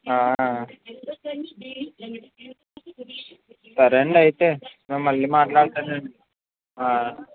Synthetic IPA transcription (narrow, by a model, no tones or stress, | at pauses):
aː | t̪ɐɾeɳɖɐjt̪enɐmːɐlːimaːʈlaːɽt̪ɐneɳ | aː